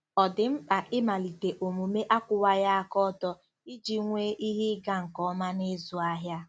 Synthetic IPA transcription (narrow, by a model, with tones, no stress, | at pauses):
ɔ˨dɪ˨m̩˦k͡pa˨ʔɪ˦ma˨li˨te˨ʔo˨mu˨me˦ʔa˦kʷʊ˨wa˦ja˦a˦˨kɔ˦tɔ˦ | i˦d͡ʒi˦ŋʷeː˦ʔi˦ɦɪ˦ɡa˦ŋ̩˨kɔ˦ma˦nɪ˦zʊ˨a˦ɦja˦